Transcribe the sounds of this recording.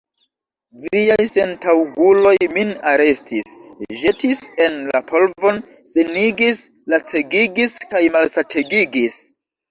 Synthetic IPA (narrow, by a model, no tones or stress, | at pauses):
vijajse̞ntawɡulo̞jminaɾe̞stʰisʒe̞tise̞nlapʰo̞lvo̞n | seniɡis | lat͡se̞ɡiɡiskajmalsatʰe̞ɡiɡis